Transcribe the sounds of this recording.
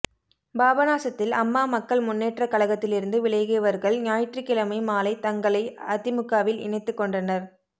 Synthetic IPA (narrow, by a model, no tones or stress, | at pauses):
baːbɐnaːsɐt̪ːɪlɐmːaːmɐkːɐɭmʊnːeːʈrɐkɐɭɐɣɐt̪ːɪlɪɾɯnd̪ɯʋɪɭɐjɣejɐʋɐɾɣɐɭɲaːjʈrɪkːɪlɐmɐɪmaːlɐɪt̪ɐŋɡɐɭɐɪɐt̪ːɪmɯkːaːʋɪlɪ̰ɳɐɪt̪ːɯkːɔɳɖɐnɐɾ